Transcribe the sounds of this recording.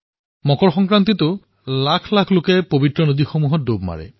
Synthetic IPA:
mɔkɔɹxɔŋkɹant̪̬itʊ | lakʰlakʰlokɛpobitɹɔnodixomuɦɔt̚dobma̰ɹɛ̰

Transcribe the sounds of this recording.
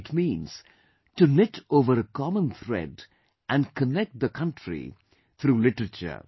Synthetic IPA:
ɪʈmĩːnz̥ | ʈunɪʈoːʋəɾəkɑmə̃nt̪ʰɾɛ̰ɖ | ʔæ̃nkʰənɛk̚t̚d̪əkʰʌ̃nʈʰɹḭ | t̪ʰɾuːlɪʈəɾət͡ʃə̰

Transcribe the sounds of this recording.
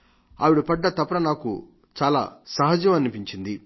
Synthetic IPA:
a̰ːʋiɽupɐɖːɐt̪ɐpɐɾɐnaːkṵ | t͡ʃaːla̰ːsɐɦɐd͡ʒɐmɐnipiɲt͡ʃind̪i

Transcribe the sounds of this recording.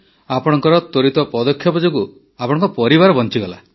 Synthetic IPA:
apɔɽ̃ɔŋkɔɾɔt̪ɔɾit̪ɔpɔd̪ɔkʰːjɔbɔd͡ʒoɡu | apɔɽ̃ɔ̃ŋkɔpɔɾibaɾɔbɔnt͡ʃiɡɔla̰

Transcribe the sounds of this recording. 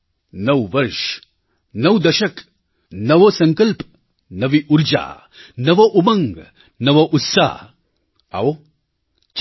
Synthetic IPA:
nɐwʋɐɾʃ | nɐwd̪ɐʃɐk | nɐʋɐsɐŋkɐlp | nɐʋiʔuɾd͡ʒa̰ː | nɐʋɐʔumɐŋɡ | nɐʋɐʔut̪sa̰ | ɐ̰w | t͡ʃ

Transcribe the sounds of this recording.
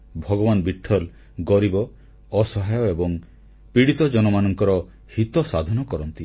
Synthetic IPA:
bʱɔɡɔbanbiʈʰːɔl | ɡɔɾibɔ | ɔsɔɦajɔebɔŋ | piɽit̪ɔd͡ʒɔnɔmanɔŋkɔɾɔ | hit̪ɔsad̪ʱɔnɔkɔɾɔnt̪i

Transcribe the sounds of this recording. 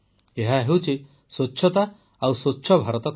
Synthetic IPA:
eɦaɦewt͡ʃʰi | swotːʃʰɔt̪a | awsotːʃʰɔbʱaɾɔt̪ɔk

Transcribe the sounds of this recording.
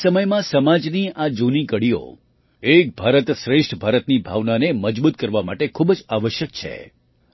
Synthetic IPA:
səməjmãsəmad͡ʒniad͡ʒunikəɽio̰ | ek̚bʱaɾət̪ʃɾeʂʈʰbʱaɾət̪nibʱa̰ʋnaneməd͡ʒbut̪̚kəɾʋamaʈekʰubd͡ʒaʋəʃjəkt͡ʃʰḛ

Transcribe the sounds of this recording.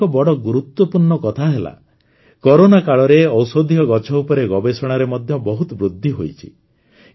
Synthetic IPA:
ɔbɔɽɔɡuɾut̪wɔpuɾɳɔkɔt̪ʰaɦela̰ | kɔɾonakaɭɔɾeɔwsod̪ʱiɔɡɔt͡ʃʰɔupɔɾeɡɔbesɔɽ̃aɾemɔd̪ʱjɔbɔɦut̪ɔbɾud̪ʱːiɦojt͡ʃʰi̥̰

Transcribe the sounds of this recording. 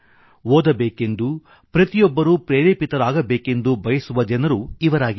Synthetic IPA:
oːd̪ɐbeːke̞nd̪u | pɾɐt̪ijɔbːɐɾuːpɾeːɾeːpit̪ɐɾaːɡɐbe̞ːke̞nd̪ubʱɐjɐsuʋɐd͡ʒɐnɐɾuiʋɐɾaːɡi

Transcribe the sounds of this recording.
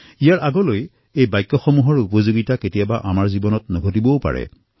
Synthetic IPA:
ijaɹʔaɡɔloj | ejbajkːɔxɔmuɦɔɹupɔzoɡitaketijabaʔamaɹzibɔnɔtnɔɡʱotibɔwpa̰ɹɛ̰

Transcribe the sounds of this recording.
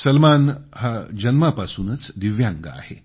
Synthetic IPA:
səlmanhad͡ʑənməpasuːnət͡sd̪iʋjaŋɡaa̰he

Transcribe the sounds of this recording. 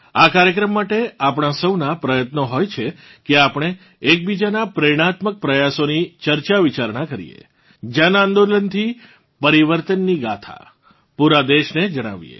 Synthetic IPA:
akaɾjəkɾəmːaʈeapɽ̃asəwnapɾəjət̪noɦojt͡ʃʰekeapɽ̃eː | k̚bid͡ʒanapɾeɽ̃at̪mək̚pɾəjasonit͡ʃəɾt͡ʃaʋit͡ʃaɾɳ̃akəɾḭjḛ | d͡ʒanãnd̪olənt̪ʰi | pəɾiʋəɾt̪ənːiɡa̰t̪ʰa̰ | puɾad̪eʃned͡ʒəɽ̃a̰ʋijḛ

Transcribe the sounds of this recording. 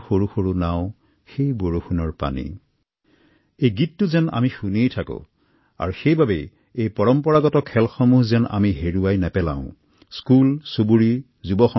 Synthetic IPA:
xoɹuxoɹunaʊ̃ | xejboɹuxunɔɹpa̰nḭ | ejɡitːʊzɛna̰mixunejtʰakʊ̰̃ | a̰ɹuxejbabɛ | ejpɔɹɔmpɔɹaɡɔtɔkʰːɛlxɔmuɦzɛna̰miɦeɹuwajnɛpɛlã̰ʊ̃ | skulsobuɹi | zubɔxɔ

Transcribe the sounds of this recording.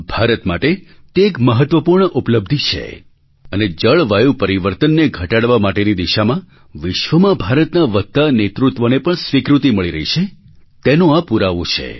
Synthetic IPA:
bʱaɾət̪maʈe | t̪eːkməɦət̪ʋəpuɾɳəʔupləb̚d̪ʱit͡ʃʰḛ | əned͡ʒəɭʋajũpəɾiʋəɾt̪ənːeɡʱəʈaɽʋamaʈenid̪iʃamã | ʋɪʃʋəmãbʱaɾət̪naʋət̪ːanet̪ɾut̪ʋonepəɳsʋikɾut̪iməɭiɾə̰ɦit͡ʃʰe | t̪enõapuɾaʋõt͡ʃʰḛ

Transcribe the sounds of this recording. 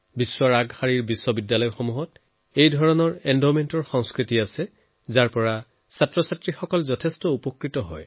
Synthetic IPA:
bisːwaɹaɡhaɹiɹbisːɔbidːalɔjxɔmuɦɔt | ejdʱɔɹɔnɔɹɛndɔmentɔɹxɔŋskɹitiasɛ | zaɹpɔɹa | satɹɔsatɹixɔkɔlzɔtʰestɔupɔkɹitɔɦɔj

